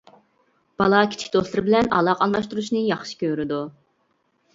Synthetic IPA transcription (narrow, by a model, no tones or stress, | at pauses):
b̥ɑlˠɑkʲʰi̥t͡ʃʰi̥kʲd̪oslˠɨɾɨbɪlɛnɑ̰lˠɑqɑlˠmɑʃt̪uɾuʃnɨjɑχʃi̥kʲøɾɪd̪u